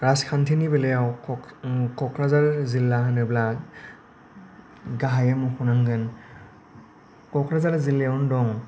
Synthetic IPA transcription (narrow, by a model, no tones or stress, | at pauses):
kɾaskʰantʰinibɛlɛjaw | kɔkʰɾazalzilːahanɯbla | ɡaɦajamuxʰunaŋɡɯn | kɔkʰɾazalzilːeɔndɔŋ